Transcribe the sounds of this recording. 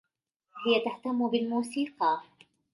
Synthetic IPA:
hɪjat̪aht̪amːʊbɪlmuːsiːqɑ

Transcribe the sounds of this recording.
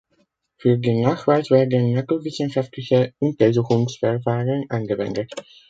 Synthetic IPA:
fyːɐdinaːχv̥aɪsv̥ɛːɐdənmakl̩vɪsənʃaftlɪçəʔʊntɐzuːχʊŋsfɛʁfaːʁənʔanɡəvɛ̰ndət

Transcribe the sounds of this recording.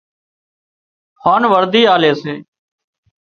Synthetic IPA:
haːnʋəɾd̪iːaːleːseː

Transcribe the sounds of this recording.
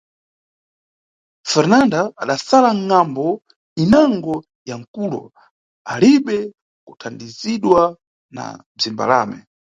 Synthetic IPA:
fɛɾnandaːɗasalaŋːambɔ | inaŋɡɔ | jaŋ̩kuːlɔ̰ | aliɓɛ | kutʰandiziɗwa | na̰ | b͡ʐimba̰la̰ːmɛ̰

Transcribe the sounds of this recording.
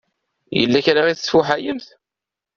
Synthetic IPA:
jə̰lːæçɾaʁiθsfuħajəmθ

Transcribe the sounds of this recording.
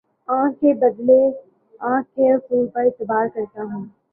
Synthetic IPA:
ãːkːebɐd̪le | ãːkːeɾfuːlpɐɾɪt̪ɪbaːɾkɐɾt̪aɦɛ̃ː

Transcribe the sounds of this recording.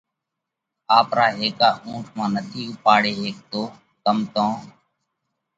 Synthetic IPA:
aːpɾaːɦeːkaːʔũːʈʰmãːnət̪ʰiːpaːɽeːɦeːkt̪oː | kəmt̪õː

